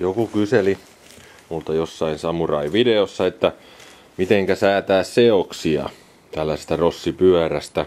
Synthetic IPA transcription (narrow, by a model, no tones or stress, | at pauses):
jokukyseli | mult̪ɑjosːɑinsɑmurɑiʋideosːɑet̪ːæ | mit̪eŋkæsæːt̪æːsseoksiɑ̰ | t̪ælːæsest̪ærosːipyæræst̪æ